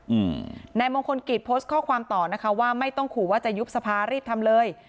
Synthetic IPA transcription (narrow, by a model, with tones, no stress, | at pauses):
ʔɯː˨˩na˧jboː˧ŋkʰo˧nki˨˩t̪̚pʰoː˦˥st̪̚kʰɔː˥˩kʰwaː˧mt̪ɔː˨˩na˦˥kʰa˦˥waː˥˩ma˥˩jt̪ɔ˥˩ŋkʰuː˨˩waː˥˩t͡ɕa˨˩ju˦˥p̚sa˧pʰaː˧ɾiː˥˩p̚t̪ʰa˧mlɤː˧j